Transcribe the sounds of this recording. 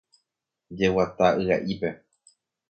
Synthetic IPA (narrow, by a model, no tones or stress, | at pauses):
d͡ʒe̞wat̪aʔɨa̰ʔipe̞